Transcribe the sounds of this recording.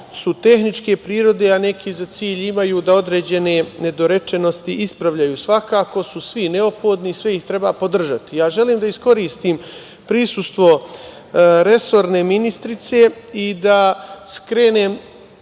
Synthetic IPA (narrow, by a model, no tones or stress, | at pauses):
sut̪e̞xnit͡ʃke̞pɾiːɾo̞d̪e̞ane̞kizat̪siːʎimajuːd̪ao̞d̪ɾe̞d͡ʑe̞ne̞ne̞d̪o̞ɾe̞t͡ʃe̞no̞st̪iʔispɾaʋʎajuːsʋakaːko̞susʋine̞o̞pxo̞ːd̪nisʋe̞iht̪ɾe̞baːpod̪r̩ʒat̪ijaːʒe̞liːmd̪aisko̞ɾiːst̪iːm | pɾisust̪ʋo̞ | ɾe̞so̞ɾne̞minist̪ɾit̪se̞id̪askɾe̞ːne̞ːm